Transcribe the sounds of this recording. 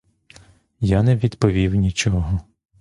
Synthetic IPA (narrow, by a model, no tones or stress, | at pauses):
janɛʋʲid̪pɔʋʲiwnʲit͡ʃɔɦɔ